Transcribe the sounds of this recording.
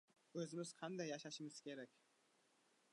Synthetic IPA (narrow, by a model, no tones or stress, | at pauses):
øzymyz̥qʰand̪ɑjɑʃɑʃɯmɯz̥kʰʲeɾɛkʲ